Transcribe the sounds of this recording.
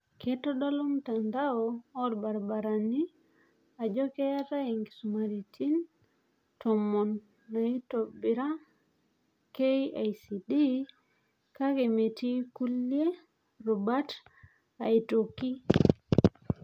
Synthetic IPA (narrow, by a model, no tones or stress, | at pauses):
ketɔɗalomtandaoːɾbaɾbaɾani | ad͡ʒɔkeataiŋɡisumaɾitʰin | tɔmonː | aitobiɾa | kejajsidi | kakemetikulje | ɾubat | aitoki